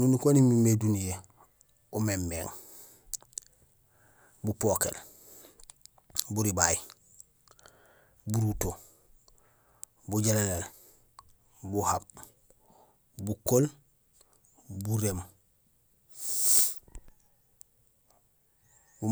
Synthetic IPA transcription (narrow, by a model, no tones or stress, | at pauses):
nunukonimimedunije | umemːḛŋ | bupokḛl | buɾibaji | buɾuto | buɟelelel | buhab̚ | bukol | buɾeːm | u